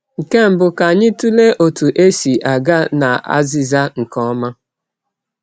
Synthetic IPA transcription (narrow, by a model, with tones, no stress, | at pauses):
ŋ̩˨ke˦m̩˨bʊ˨ka˨ɲɪ˦tu˦le˦ʔo˨tu˨ʔe˦si˨ʔa˨ɡa˦na˨a̰˦zi˦za˦ŋ̩˨kɔ˦ma˦